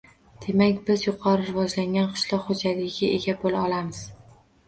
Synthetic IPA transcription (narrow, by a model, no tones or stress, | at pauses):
d̪̥e̞makʲbɪzjʊqʰɒɾɪɾɪvɒd͡ʒlaŋʲanqʰɨ̥ʃlˠɒqhod͡ʒalɪɡʲɪeɡʲabolaɒlamɪz̥